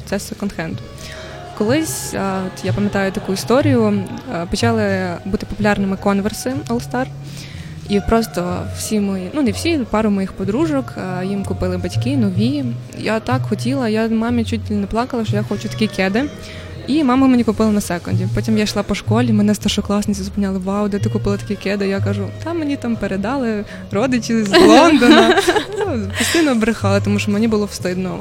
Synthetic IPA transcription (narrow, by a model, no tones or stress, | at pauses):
t̪sɛsekɔnd̪xɛnt̪ʊ | kɔlˠɪsʲɔt̪japɐmʲjɐt̪ɑjʊt̪ɐkuist̪ɔɾʲijʊpɔt͡ʃɑlˠɪbut̪ɪ̥pɔpʊlʲɑrnɪmɪkɔnʋersɪɔlˠst̪ɑr | ipɾɔst̪ɔwsʲimɔjinunewsʲipɑɾʊmɔjixpɔd̪ɾuʒɔkjimkʊpɪlˠɪbɐtʲkɪnɔʋʲi | jat̪ɑkxɔtʲilˠɐjamɑmʲit͡ʃutʲlʲnɛplˠɑkɐlˠɐʃt͡ʃɔjaxɔt͡ʃʊt̪ɐ̥kʲikɛd̪ɪ | imɑmɐmenʲikʊpɪlˠɐnɐsɛkɔnʲdʲipɔtʲimjaʃlˠɑpɔʃkɔlʲimɛnɛst̪ɐrʃɔklˠɑsnɐsʲɐzʊpɪnʲalˠɪʋɑwd̪ɛt̪ɪkʊpɪlˠɐt̪ɐ̥kʲikɛd̪ɪjakɑʒʊd̪ɑmenʲit̪ɑmpeɾed̪ɑlˠɪ | ɾɔd̪ɪt͡ʃʲizlˠɔnd̪ɔnɐ | pʊst̪ɪnɔbɾɪxɑlˠɪt̪ɔmuʃt͡ʃɔmenʲibʊlˠɔwst̪ɪd̪nɔ